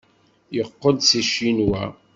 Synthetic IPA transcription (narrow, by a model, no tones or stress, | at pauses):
jəqːəd̪siʃinwæ